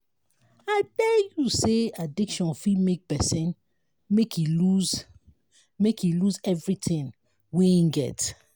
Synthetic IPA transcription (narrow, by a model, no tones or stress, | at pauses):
atɛjuseadikʃɔ̃nfimek̚pɛsĩn | mekʰiluz | mekiluzɛvɹitʰĩn | weĩnɡɛ̰t